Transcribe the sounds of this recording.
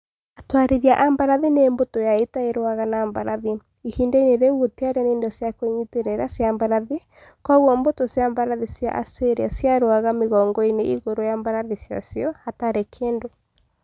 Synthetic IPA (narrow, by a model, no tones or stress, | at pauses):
atwaɾeɾiaʔambaɾaðineːmbotojaetaeɾoaɣanaːmbaɾaði | ihiːndaineɾeɣwoteaɾɛneːndɔsjakoiɲiteɾeɾasjambaɾaði | kɔɣwɔmbotosjambaɾaðisja̰ʔa̰seɾeasjaɾoaɣameɣɔːŋɡɔeneiɣoɾojambaɾaðisja̰sjɔhataɾekʰeːndo